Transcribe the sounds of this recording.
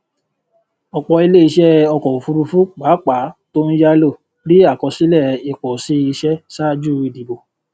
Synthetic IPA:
ɔ˧˨k͡pɔ˧i˧le˦˨i˧ʃɛ˦˧ɔ˧kɔ˨fu˧ɾu˧fu˦k͡pa˨˦k͡pa˨˦to˦n̩˦ja˦lo˦˨ | ɾi˦a˦˨kɔ˧si˦lɛ˦˨i˨˧k͡pɔ˨si˨˦i˧ʃɛ˦sa˦d͡ʒu˦i˧˨di˨bo˨

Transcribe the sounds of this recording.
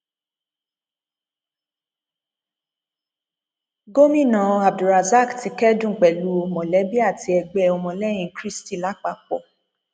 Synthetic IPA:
ɡo˦mĩ˦˨nã˨˧a˨b̚du˨ɾa˨za˦˨kti˧kɛ˦dũ˦˨k͡pɛ˨lu˨˦o˧mɔ̃˨lɛ˨˦bi˦a˦˨ti˧ɛ˧ɡ͡bɛ˦ɔ˧mɔ̃˧lɛ˦j̃ĩ˧kɾi˦sti˦˨la˦k͡pa˧˨k͡pɔ̰˦˨

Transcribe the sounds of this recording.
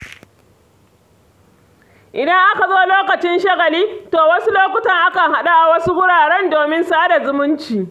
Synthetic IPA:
ʔɪ˨dɐ˦ŋʔa˦ka˨zoː˦loː˦kɐ˨t͡ʃɪ˦nʃɐ˦ɣɐ˨liː˦toː˨wɐ˦su˦loː˦kʷʊ˨taː˦˨ʔa˦ka˨ɦa˦ɗa˦ʔa˨wɐ˦su˦wʊ˦ɽaː˨ɽɛ˦ndoː˨mɪ˦nsaː˦da˨zʊ˦mʊ˦nt͡ʃiː˨

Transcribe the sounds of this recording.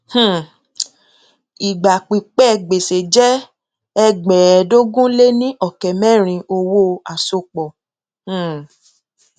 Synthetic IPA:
h̩˦˨ | i˨ɡ͡ba˨k͡pi˨k͡pɛ˦˧˨ɡ͡be˨se˨d͡ʒɛ˦ | ɛ˦ɡ͡bɛ˨ɛ˨do˦ɡũ˦le˦nĩ˦ʔɔ˦˨kɛ˨mɛ̃˦˨ɾ̃ĩ˧ʔo˧wo˦a˨so˧˨k͡pɔ˨ | h̩˦˨

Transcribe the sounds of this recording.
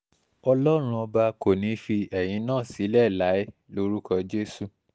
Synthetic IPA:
ɔ˧lɔ˦ɾ̃ũ˦ɔ˧ba˧ko˦˨nĩ˨˦fi˧ɛ˨j̃ĩ˨˦nãː˦˨si˨˦lɛ˦˨la˨˦e˦ | lo˦ɾu˦kɔ˧d͡ʒe˦su˦˨

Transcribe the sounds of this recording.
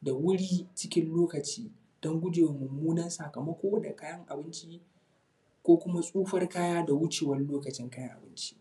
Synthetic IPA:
da˨wʊ˦ɽiː˦t͡ʃɪ˦kʲɪ˦nloː˦kɐ˨t͡ʃiː˦ | d̥ɔ˦ŋɡʷʊ˦d͡ʒeː˨wa˨mʊ˨mːuː˦nɐ˦nsa˨kɐ˨mɐ˦kʷoː˦da̰˨kaː˦jɐ˦ŋʔa˨bɪ˦nt͡ʃi˦ | kʷoː˦kʷʊ˦ma˦sʼuː˦ɸɐ˦rkaː˦jaː˦da˨wʊ˦t͡ʃeː˨wɐ˦rloː˦kɐ˨t͡ʃɪ˦ŋkaː˦jɐ˦ŋʔa˨bɪ˦nt͡ʃi̥˦

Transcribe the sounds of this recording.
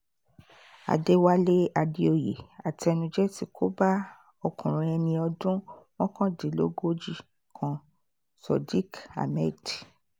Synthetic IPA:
a̰˨de˦wa˦le˦a˧di˦o˧˨jḛ˨a˨ti˧˦ɛ˧nũ˧d͡ʒɛ˦ti˧˦kʰo˦ba˦ | ɔ˧kũ˨ɾ̃ũ˧ɛ˧nĩ˧ɔ˧dũ˦w̃ɔ̃˦kã˦di˨˦lo̰˦ɡo˦d͡ʒi˦˨ | kʰã˨ | sɔ˨di˦ka̰˨mɛ˦˨di˨

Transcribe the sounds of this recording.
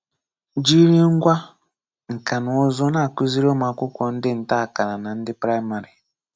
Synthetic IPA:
d͡ʒi˦ɾi˦ŋ̩˦ɡʷa˦ | ŋ̩˨ka˨nʊ˨ʊ˦zɔ˦na˦˨kʊ˦zi˦ɾo˦ma˨kʷʊ˦kʷɔ˨n̩˦dɪ˦n̩˨ta˦a˨ka˨na˨na˨n̩˦dɪ˦pɾa˦i˦ma˨ɾi˨

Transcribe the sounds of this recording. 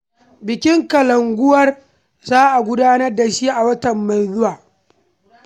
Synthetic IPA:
bɪ˨kʲɪ˦ŋkɐ˨lɐ˨ŋɡʷʊ˦wɐ˦r | zaː˦ʔa˨ɡʷʊ˦daː˦nɐ˦rda˨ʃi˦ʔa˨wɐ˦tɐ˨mːa˨jzʊ˦waː˨

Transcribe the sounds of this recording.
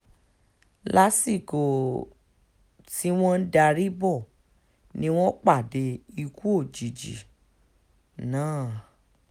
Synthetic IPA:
la˦si˦˨ko˨ | ti˦w̃ɔ̃˦n̩˦da˧ɾi˦bɔ˦˨ | nĩ˦w̃ɔ̃˦k͡pa˦˨de˧˦i˧ku˦o˦˨d͡ʒi˨d͡ʒḭ˨ | nãː˦˨

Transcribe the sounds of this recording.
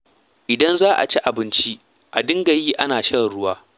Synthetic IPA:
ʔɪ˨dɐ˦nzaː˦ʔa̰˨t͡ʃi˦ʔa˨bɪ˦nt͡ʃi˦ | ʔa˨dɪ˦ŋɡɐ˨jiː˦ʔa˦naː˨ʃɐ˦ɽɪ˨ɽʊ˦waː˦

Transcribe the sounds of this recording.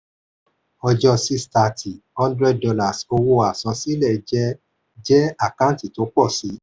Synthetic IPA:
ɔ˧d͡ʒɔ˧si˧˦sta˧˨tʰi˨hɔ̃˦ndɾɛ˧d̚dɔ˧la˨so˧wo˧a˨sɔ̃˧si˦lɛ˦˨˧d͡ʒɛ˦ | d͡ʒɛ˦a˦˨kã˦ti˦˨to˨˦k͡pɔ˦˨si˨˦

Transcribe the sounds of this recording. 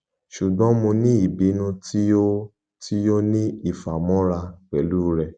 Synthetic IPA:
ʃu˨ɡ͡bɔ̃˨˦mõ˧nĩ˦i˦˨bi˨˦nũ˧tʰi˦o˦ | ti˦jo˦nĩ˦i˨fa˨mɔ̃˦ɾa˧k͡pɛ˨˦luː˦ɾɛ˧˨

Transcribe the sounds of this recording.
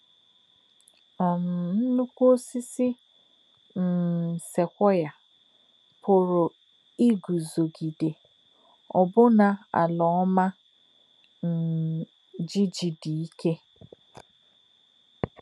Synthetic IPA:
ɔ˨m̩˨n̩˦nu˦kʷo˦si˦sɪ˦ | n̩˨se˨kʷɔ˦ja˨ | pʰʊ˨ɾʊ˨ | i˦ɡu˨zo˨ɡi˨de˨ | ɔ˨bʊ˦na˨a̰˨lɔ˨ɔ˦ma˦ | n̩˨ | d͡ʒi˦d͡ʒi˨di˨i˦ke˦

